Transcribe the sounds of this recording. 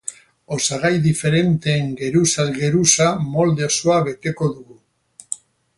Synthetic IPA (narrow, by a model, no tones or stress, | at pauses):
o̞saɣajðife̞ɾe̞nt̪e̞ːŋɡe̞ɾusalɣe̞ɾusamo̞ld̪e̞osoaβe̞t̪e̞ko̞ðuɣu